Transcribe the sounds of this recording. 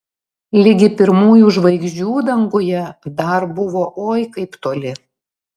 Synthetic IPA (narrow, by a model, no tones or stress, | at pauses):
lʲɪɡʲɪpʲɪɾmuːjuʒʋɐɪɡʒʲd͡ʒʲuːd̪ɐŋɡʊjɛd̪ɐɾbʊʋoːʔoːjkɐɪpt̪oːlʲɪ